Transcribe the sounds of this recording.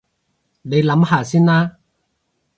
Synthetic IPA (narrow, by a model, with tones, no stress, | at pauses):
ne˨˧jlɐ˨˥mhaː˨˧siː˥naː˥